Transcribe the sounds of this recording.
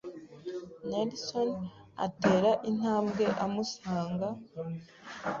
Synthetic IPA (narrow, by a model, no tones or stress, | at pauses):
nelson | a̰te̞ːɾaʔin̥aːmbɡe̞ʔamusaːŋɡa